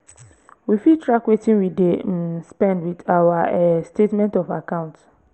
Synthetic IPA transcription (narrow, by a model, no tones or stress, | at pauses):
wifitɹakwetĩnwidespɛ̃ndwidawaɛstetmɛ̃ntɔvakãʊ̃nt